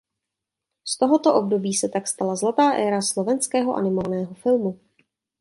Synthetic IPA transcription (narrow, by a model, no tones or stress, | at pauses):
st̪oɦo̞t̪oʔob̚do̞biːsɛt̪akst̪alazlat̪aːʔɛːɾaslo̞vɛnskɛːɦo̞ʔa̰nɪmovnɛːɦo̞fɪlmu